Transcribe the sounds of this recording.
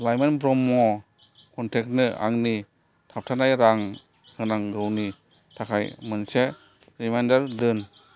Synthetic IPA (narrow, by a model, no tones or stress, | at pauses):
lajmanbɾɔmɔ | kʰɔntʰek̚nɯʔa̰ŋni | tʰap̚tʰanajɾaŋ | hɯŋnaŋɡɾɯwni | tʰakʰajmɯnse | ɾimajndaɾdɯn